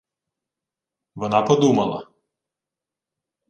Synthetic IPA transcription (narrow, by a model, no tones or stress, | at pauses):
ʋɐnɑpɐd̪uːmɐlˠɐ